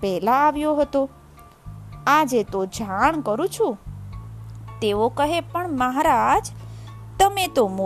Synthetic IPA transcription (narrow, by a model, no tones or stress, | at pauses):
pɛɦlaːʋjoɦət̪o | ad͡ʒet̪od͡ʒʱaɳ̃kəɾũt͡ʃʰũ | t̪eʋokəɦepəɳməɦaɾad͡ʒt̪əmet̪omo